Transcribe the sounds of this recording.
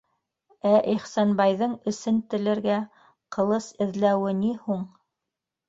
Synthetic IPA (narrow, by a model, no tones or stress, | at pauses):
æʔiχsɑnbɑjðɤɴɵ̆sɘnt̪ɘ̆lɘ̆ɾɡæ | qɤ̆lˠɤsɘ̆ðlæwɘnihuɴ